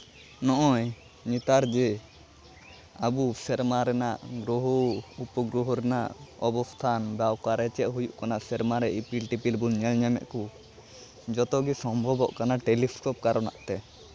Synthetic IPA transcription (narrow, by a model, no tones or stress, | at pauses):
nɔʔɔj | ɲit̪aɾd͡ʒɛ | abusɛɾmaɾɛnaʔɡɾuɦɔupɔɡɾuɦɔɾɛna̰ʔɔbɔst̪ʰanbawkaɾɛt͡ʃɛʔɦujuʔkanaʔsɛɾmaɾɛipilʈipilbuɲɛlɲɛmɛ̰ʔku | d͡ʒɔt̪ɔɡisɔmbʱɔbɔʔkanaʈeliskɔp̚kaɾɔna̰ʔt̪ɛ